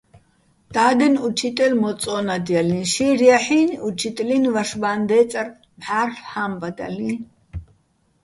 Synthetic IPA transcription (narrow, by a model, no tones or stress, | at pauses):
d̪̥aːd̪ɛnut͡ʃʰit̪ʼɛlmɔt͡sʼɔːnad̪ijalĩnʃirjaħiːnut͡ʃʰit̪ʼlinvaʃbaːnd̪ɛːt͡sʼar | mħaːrfħambad̪a̰li